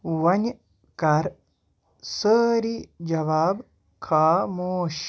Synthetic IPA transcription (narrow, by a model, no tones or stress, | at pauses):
ʋɐɲʲ | kɐɾ | səːɾid͡ʒɐʋaːb | kʰaːmoːʃ